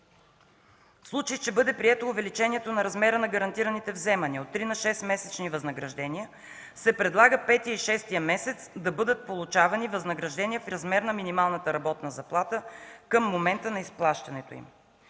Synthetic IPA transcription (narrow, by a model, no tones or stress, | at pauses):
fslˠut͡ʃəjt͡ʃɛbɤd̪ɛpɾiɛt̪oʊvɛlit͡ʃɛniɛt̪onɐɾɐzmɛɾənɐɡɐɾɐnt̪iɾənit̪ɛvzɛmɐniot̪ːɾinɐʃɛsmɛsɛt͡ʃnivɐznəɡɾɐʒd̪ɛniə | sɛpɾɛd̪lˠaɡəpɛt̪iəiʃɛst̪ijəmɛsɛt̪sd̪ɐbɤd̪ət̪̚polˠut͡ʃavɐnivɐznɐɡɾɐʒd̪ɛnʲiəfɾɐzmɛɾnɐminimalˠnət̪əɾɐbɔt̪nɐzɐplˠat̪əkəmːomɛnt̪ənɐisplˠaʃt̪ɐnɛt̪oḭm